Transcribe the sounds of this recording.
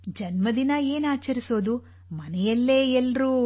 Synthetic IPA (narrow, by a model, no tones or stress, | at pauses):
d͡ʒɐnmɐd̪inɐe̞ːnaːt͡ʃɐɾiso̞ːd̪u | mɐnɛjɐlːe̞ːɛlːɾuː